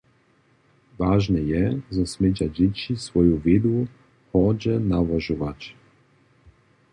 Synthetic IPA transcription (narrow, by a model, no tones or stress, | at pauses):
vaʒnɛjɛzasmed͡ʒad͡ʒɛt͡ʃisvɔjuved̪u | xɔd͡ʒɛnavaʒuvat͡ʃ